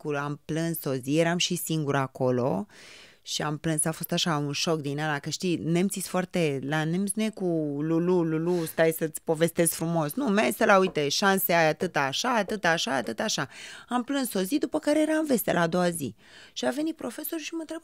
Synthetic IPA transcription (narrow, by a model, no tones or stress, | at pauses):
kuamplɨnso̞zijeɾamʃisiŋɡuɾako̞lo̞̰ | ʃiamplɨnsafo̞st̪aʃaunʃo̞k̚d̪inalakəʃt̪ine̞mt̪sisʲfoart̪e̞lanemt̪sʲnujekululululust̪ajsət̪sʲpo̞ve̞st̪e̞z̥fɾumo̞snumaest̪elaujt̪e̞ʃanseajat̪ɨt̪aʃaːt̪ɨt̪aʃaːt̪ɨt̪aʃaamplɨnsso̞zid̪upəkaɾejeɾanve̞st̪elʔaːd̪o̞wazḭ | ʃiave̞nit̪̚pɾo̞fe̞so̞rʃimənt̪ɾe̞b̚